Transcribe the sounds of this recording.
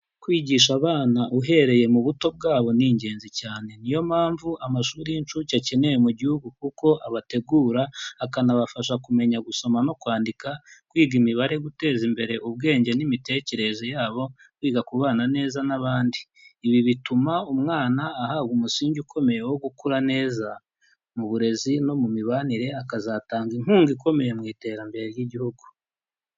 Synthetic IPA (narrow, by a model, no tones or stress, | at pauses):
kwiːɟiːʃ̬aβaːnaʔuɦe̞ɾe̞je̞muβuto̞b̚ɡaːβo̞niɲɟe̞ːnzicaːne̞nijo̞mhaːɱvuamaʃuːɾiint͡ʃucace̞ne̞jemuɟihuɡukuko̞ʔaβate̞ɡuːɾaːkanaβafaʃakume̞ɲaɡuso̞mano̞kwaːndikakwiːɡimiβaɾe̞ɡute̞ːzimbe̞ɾe̞ʔuβɡe̞ːɲɟe̞nimite̞ce̞ɾe̞ze̞jaːβo̞ | kwiːɡakuβaːnane̞ːzanaβaːndiː | βiβitumaumŋaːnaːhaβɡumusiːɲɟukʰo̞me̞je̞wo̞ɡukuɾane̞ːza | muβuɾe̞zino̞mumiβaniɾe̞akazaːtaːŋɡin̥uːŋɡiko̞me̞je̞mŋiːte̞ːɾambe̞ɾeɾjiɟihuɡu